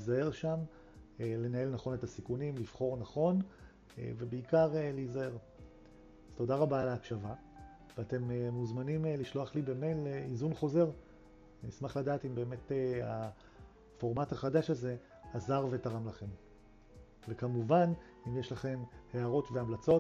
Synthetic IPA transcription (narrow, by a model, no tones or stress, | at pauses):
izae̞ʁʃam | ele̞nae̞lnaχo̞netasikunimlifχo̞ʁnaχo̞n | ḛve̞beikaʁeleizae̞ʁ | az̥to̞daʁabalaːkʃava | veate̞memuzmanimliʃlo̞aχlibe̞meleizunχo̞ze̞ʁ | nismaχladaːtimbe̞ːme̞tea | fo̞ʁmathaχadaʃaze̞ | hazaʁve̞taʁamlaχe̞m | ve̞kamuvan | imjeʃlaχe̞mhe̞aʁo̞tveamlat͡so̞